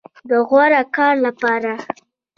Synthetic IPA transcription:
d̪əɣwaɾakɑɾlapɑɾa

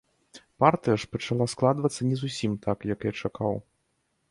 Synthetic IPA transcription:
part̪ɨjɐʂpɐt͡ʂalˠasklˠad̪vɐt̪sːɐnʲɛzusʲimt̪ʰakjɐkjat͡ʂakaw

